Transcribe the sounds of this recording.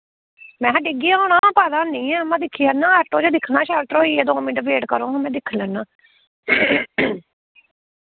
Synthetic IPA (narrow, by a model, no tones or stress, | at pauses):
mɛ̃ːɦəɖɪɡijaːɦoːɳãːpaːd̪ãːnĩːɛ̃ːəmãːd̪ɪkʰːiːaːnːãːʈoːd͡ʒaːd̪ɪkʰːnãːʃaːlt̪ɾoːiːeːd̪oːmĩːɖəbeːʈkəɾõːɦãːmɛ̃ːd̪ɪkʰːlɛːnːãː